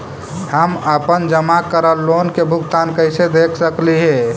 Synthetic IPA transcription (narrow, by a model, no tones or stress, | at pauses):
həməpənd͡ʒəmakəɾəlːonkebʱʊɡt̪ankəɪsed̪ekʰsəkliɦe